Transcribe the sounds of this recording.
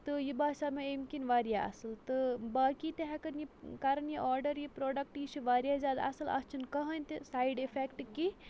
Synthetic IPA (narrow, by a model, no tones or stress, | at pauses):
t̪ɨjibaːsameemkinʋaːɾjaɐ̰sɨlt̪ɨbaːkit̪eɦakɐnjikaɾɐnjiʔɔːɾɖɐɾjipɾoːɖɐk̚ʈiʃiʋaːɾijazaːd̪ɐ̰sɨlɐ̰st͡ʃʰinkɐɦɐnʲt̪isaːjɖefʰekʈki